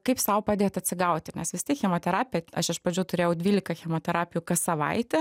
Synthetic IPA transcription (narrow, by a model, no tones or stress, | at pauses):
kɐɪpsɐʊpɐd̪ʲeːt̪ɐt̪ʲsʲɪɡɐʊt̪ʲɪnʲɛsʋʲɪst̪ʲiɛkxʲɛmoːt̪ʲɛɾɑːpʲɪjɛɐʃɐʃpɾɐd͡ʒʲuːt̪ʊɾʲeːjɛʊd̪ʲʋʲiːlʲɪkɐxʲɛmoːt̪ʲɛɾɑːpʲɪjuːkɐsɐʋɐ̰ɪt̪ʲɛ